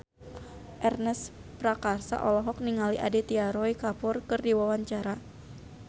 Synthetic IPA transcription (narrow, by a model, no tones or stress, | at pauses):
ʔɛrnəs | pɾakarsa̰ʔɔlɔɦɔk̚niŋaliʔadit̪iaɾɔikapʊrkɨrdiwawaɲt͡ʃaɾa